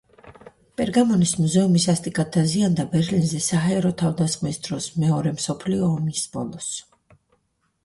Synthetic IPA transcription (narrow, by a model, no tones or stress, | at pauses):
pʼɛɾɡamɔnismuzɛumisast̪ʼikʼat̪ʰːaziand̪abɛɾlinzɛsaɦaɛɾɔt̪ʰavd̪asχmisd̪ɾɔsmɛɔɾɛmsɔpʰliɔːmisb̥ɔ̰lˠɔs